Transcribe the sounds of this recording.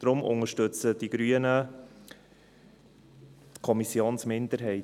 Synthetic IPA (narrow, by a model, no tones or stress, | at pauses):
d̥ɾʊmʔʊ̰ŋəɾʃtɵt͡səd̥iɡ̥ɾyːənə | kʰɔmisjoːnsmɪndəɾɦɛɪ